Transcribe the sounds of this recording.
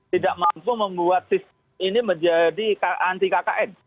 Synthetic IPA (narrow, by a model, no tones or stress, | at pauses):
t̪idaʔmampuməmbuat̪̚sist̪ | miniməɲd͡ʒadikaʔant̪ikaka̰ʔɛn